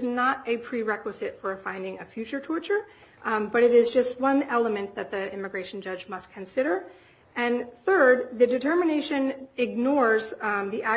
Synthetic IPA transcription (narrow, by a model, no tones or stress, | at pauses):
znəɾɨpʰɹ̥iɹɛkwəzɨtfə˞fãɪ̃ndɪ̃ŋɨfjʉt͡ʃə˞tʰɔɹt͡ʃə˞ | b̥ʌɾɨɾɪzd͡ʒʌst̚wʌ̃nɛlˠəmɨ̃nðɨt̪̚ðiɪ̃mɨɡɹeɪʃn̩d͡ʒʌd͡ʒmʌstkʰɨ̃nsɪɾə˞ | ʔɨ̃nθɜ˞d̪̚ðɨdɨtʰɜ˞mɨneɪʃɨ̃nɪɡ̚nɔɹzðiʔæ